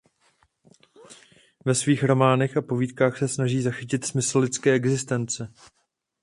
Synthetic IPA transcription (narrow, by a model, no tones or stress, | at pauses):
vɛsviːxɾo̞maːnɛxapo̞viːt̪kaːxsɛsnaʒiːzaxɪcɪt̪smɪsl̩lɪt͡skɛːɛɡzɪst̪ɛnt͡sɛ